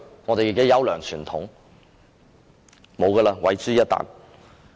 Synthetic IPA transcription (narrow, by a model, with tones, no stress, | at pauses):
ŋɔ˨˧e˨ji˨ke˨˥jɐ˨˥wlœː˨˩ŋt͡ʃʰyː˨˩nt̪ʰʊ̰˨˥ŋ | mo˨˧wkəː˧laː˧wɐ˨˥jt͡syː˥jɐ˥t̚t̪a̰ː˨n